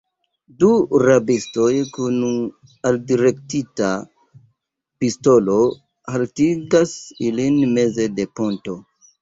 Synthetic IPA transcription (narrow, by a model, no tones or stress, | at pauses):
duɾabisto̞jkun | aldiɾe̞ktita | pisto̞lo̞ | haltiɡasilinme̞ze̞de̞po̞nto̞